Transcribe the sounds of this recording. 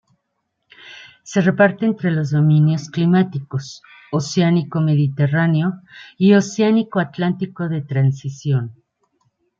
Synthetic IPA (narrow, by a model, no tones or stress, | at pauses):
se̞re̞paɾt̪e̞eːnt̪ɾe̞lo̞zðo̞mĩnjo̞sklimat̪ikos | oseaniko̞me̞ðit̪e̞raneo̞io̞seanikoat̪lant̪iko̞ðe̞t̪ɾansisjo̞n